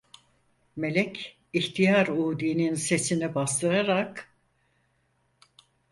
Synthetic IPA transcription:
me̞lʲɛcʰ | içt̪ʰijaɾuːd̪iːninse̞sinɛbast̪ʰɯɾaɾak

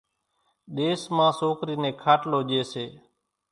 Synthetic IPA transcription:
ɗ̪eːsmãːsoːkɾiːnẽːkʰaːʈloːʄeːseː

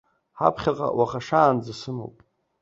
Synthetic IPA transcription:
ħa̰pʰχʲaqʼa̰waχaʂaːnd͡zasɨmo̰wpʼ

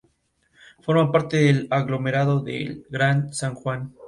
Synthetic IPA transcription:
fo̞ɾmapaɾt̪eðelaɣlo̞me̞ɾaðo̞ðḛlɡɾansaŋxwan

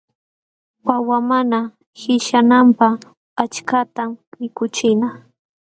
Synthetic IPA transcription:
wawamana | hɪʃanampaχ | at͡ʃkat̪ammɪkʊt͡ʃɪna

